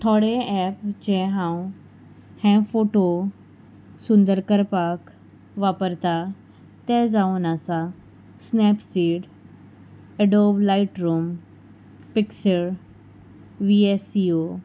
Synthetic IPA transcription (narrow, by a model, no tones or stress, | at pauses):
t̪ʰɔɽeɛːpt͡ɕɛ̃ɦãũ | hɛ̃foːʈo | sʊ̃nd̪əɾkəɾpaːk | ʋaːpəɾt̪a | t̪ɛzaũnasa | snɛːpsiːɖ | eɖoblaɪʈɾuːm | pɪksəɭ | ʋiesio